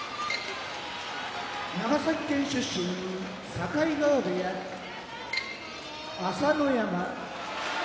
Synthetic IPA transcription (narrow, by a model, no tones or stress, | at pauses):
naɡasakʲːẽɰ̃ɕɯɕoni | sakaiɡaad̪eja | asanojama